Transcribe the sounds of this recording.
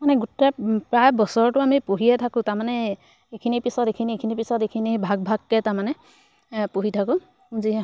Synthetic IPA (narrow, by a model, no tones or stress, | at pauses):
manɛɡutɛpɹajbɔsɔɹtʊamipuɦijɛtʰakʊ̃taɹmanɛ | ekʰinipisɔtekʰiniekʰinipisɔtekʰinibʱaɡ̚bʱaɡːɛtaɹmanɛ | puɦitʰakʊ̃ | ziɦɛ